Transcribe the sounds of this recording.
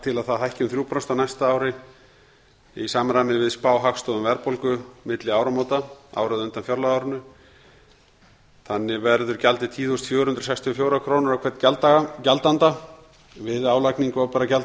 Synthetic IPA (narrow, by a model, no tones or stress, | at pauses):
t̪ʰɪlaðθaðθajhcɪʏmθɾjuːpʰɾɔnst̪awnajst̪aaːwɾɪ | isaːmɾajmɪvɪðspaːwɦakst̪ɔðʏmvɛɾpowlkʏmɪt̪lɪaːwɾamowt̪aa̰wɾʏðʏnt̪anfjɔɾlaaːwɾɪnʏ | θanːɪvɛɾðʏɾcalt̪ɪt̪ʰiːðust̪fjœːɣɾhʏnt̪ɾasajkst̪ʰjɔfjoːwɾakʰɾoːnaɾawkʰvɛt̪calt̪acalt̪ant̪a | vɪðaːwlajkniŋkapaɾacalt̪